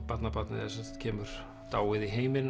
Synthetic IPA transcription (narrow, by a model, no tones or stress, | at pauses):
pat̪napat̪nɪɛðasɛnt̪cʰɛːmʏɾ̥ | t̪aːwɪðiɦeːjmɪn